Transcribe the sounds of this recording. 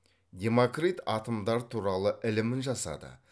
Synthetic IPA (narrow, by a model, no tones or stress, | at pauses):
d̪ʲe̞mokrit̪ɑt̪əmd̪ɑɾt̪ʰuɾɑlˠəʔɪlɪmɪnʒɑsɑ̰d̪ə̰